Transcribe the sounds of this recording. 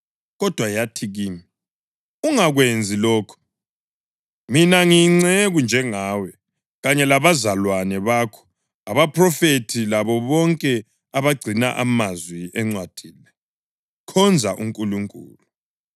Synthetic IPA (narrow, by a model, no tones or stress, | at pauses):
ɣɔd̥ʱwajatʰiɣiːmi | uŋaɣwend͡zʱilɔːkʰɔ̥ | minaŋiŋ͡ǀeɣund͡ʒʱɛŋaːwɛ | ɣaɲɛlaβazalwanɛβakʰɔ̥ | aβapʰrɔfetʰilaβɔβɔŋkʼɛ | aβaɡ͡ǀʱinaʔa̰mazwiɛŋ͡ǀwad̥ʱiːlɛ | kʰɔnd͡zʱaʔuŋkʼuluŋkʼṵːlu